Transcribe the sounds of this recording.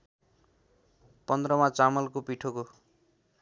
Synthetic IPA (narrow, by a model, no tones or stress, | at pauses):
pʌnd̪rʌmat͡samʌlkopiʈʰoko